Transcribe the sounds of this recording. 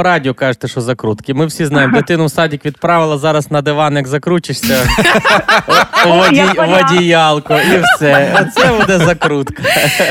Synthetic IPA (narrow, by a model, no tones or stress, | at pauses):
ɾɑdʲiɔkɑʒet̪eʃɔzɐkɾut̪kʲimɪwsʲiznɑjemd̪et̪ɪnʊwsɑdʲikʋʲid̪̚pɾɑʋɪlˠɐzɑɾɐsnɐd̪eʋɑnjɐɡzɐkɾut͡ʃɪʃsʲɐ | ʋɐiʋɐdʲijɑlˠkʊiwsɛt̪sɛbud̪ɛzɐkɾut̪kɐ̥